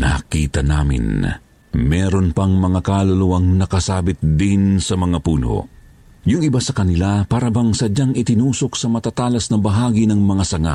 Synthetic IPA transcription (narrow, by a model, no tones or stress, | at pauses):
nɐ̰kḭːt̪ɐnaːmɪ̰n | mɛːɾo̞npɐŋmɐŋakalɐluwɐŋnɐkɐsaːbɪt̪̚d̪insɐmɐŋapuːno̰ | jʊŋɪbasɐkɐnɪlapaːɾɐbɐŋsɐd͡ʒaŋɪt̪ɪnuːso̞k̚sɐmɐt̪at̪aːlɐsnɐbɐɦaːɡinɐŋmɐŋasɐŋa̰ʔ